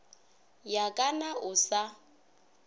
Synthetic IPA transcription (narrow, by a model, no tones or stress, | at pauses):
jakʼanaʊsa